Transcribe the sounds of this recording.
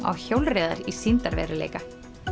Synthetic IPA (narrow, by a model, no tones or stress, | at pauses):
a̰wçowlreːðaɾisint̪aɾvɛ̰ɾɪlḛjka